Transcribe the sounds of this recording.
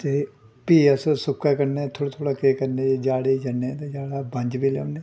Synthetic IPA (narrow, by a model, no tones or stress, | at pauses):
t̪e | piːasosʊkːakəɾnet̪ʰoːɽat̪ʰoːɽaːkeːkəɾneːed͡ʒaːɽed͡ʒənːẽt̪ed͡ʒaːɽaːbə̃ɲd͡ʒbiːlenẽː